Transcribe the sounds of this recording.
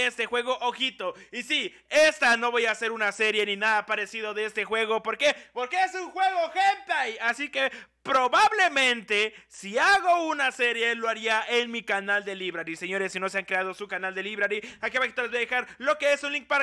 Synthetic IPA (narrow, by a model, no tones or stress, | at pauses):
est̪e̞xwe̞ɣ̞o̞ʔoxit̪o̞isi | est̪ano̞βo̞jaːse̞ɾunase̞ɾje̞ninaðapaɾe̞sið̞o̞ðe̞est̪e̞xwe̞ɣo̞po̞ɾke̞po̞ɾke̞esuŋxwe̞ɣo̞xempajasike̞ | pɾo̞βaβle̞mẽ̞nt̪e̞siaɣo̞unase̞ɾje̞loaɾiaʔenmikanald̪e̞liβɾaɾise̞ɲo̞ɾe̞sːino̞seaŋkɾe̞að̞o̞sukanald̪e̞liβɾaɾiakeβaxi̥t̪olezβojaðe̞xaɾlo̞ke̞esunliŋk̚pa